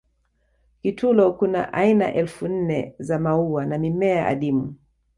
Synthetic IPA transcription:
kitʰulɔkuna̰ʔaina̰ʔɛlfun̩nɛ̰zamauanamimɛaʔa̰ɗimu

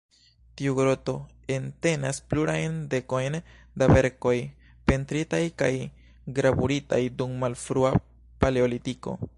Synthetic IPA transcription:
tiuɡɾo̞to̞ | e̞nte̞naspluɾajnde̞ko̞jn | dabe̞ɾko̞j | pe̞ntɾitajka̰j | ɡɾabuɾita̰jdumːalfɾua | paleolitiko̞̰

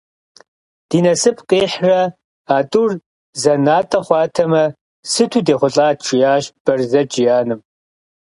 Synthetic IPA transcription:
d̥iːnɐsɨpʰqʼeːħrɐ | aːtʼur | zɐnaːtʼɐχʷɑːtʰɐmɐ | sɨtʰuːdeːχʷʊɬʼaːʈ͡ʂʰɪjaːʃb̥ɐrzɐd͡ʒʼɪjaːnɨm

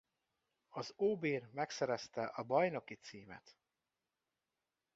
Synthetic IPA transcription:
ɒzoːbeːrmɛksɛɾɛst̪ɛʔɒbɒjno̞kit̪siːmɛ̰t̪

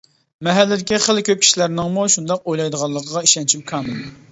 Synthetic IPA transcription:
mɛɦælːɪd̪ɪkʲiχəlˠkʲøp̚kʰʲi̥ʃilæɾnɪŋmuʃund̪ɑq̚ojlˠɑjd̪əʁɑlˠːəqʰəʁɑiʃɛnt͡ʃʰimkʰɑːmɨl

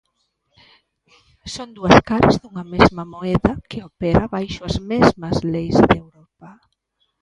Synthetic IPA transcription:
sond̪uɐskaɾazðuŋɐmezmɐmoɛðɐkɪopɛɾaβajʃʊɐzmezmɐzlejzðewɾɔpɐ

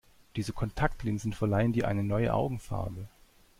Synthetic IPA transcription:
d̥iːzəkʰɔntʰaktlɪnzn̩fɛɐlaɪəndiːʔa̰ɪnənɔʏə̰ʔa̰ʊɡŋ̩fa̰ɐbə

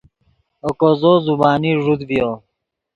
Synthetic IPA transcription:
okozozubaːniʐud̪bijo

